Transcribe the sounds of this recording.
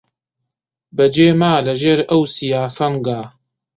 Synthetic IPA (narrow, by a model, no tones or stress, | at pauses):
bɐd͡ʒeːmaːlɐʒeːɾɐwsijaːsɐnɡaː